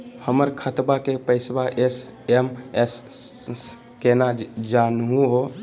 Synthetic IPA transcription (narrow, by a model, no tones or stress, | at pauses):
həməɾkʰət̪bakepəɪsbaʔes | emes | kenad͡ʒanɦũɦo